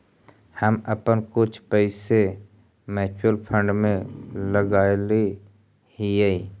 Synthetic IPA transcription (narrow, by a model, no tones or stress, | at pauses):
həməpənkʊt͡ʃʰpəɪse | mɛːt͡ʃəlpʰə̃ɳɖmẽləɡaːli | hijei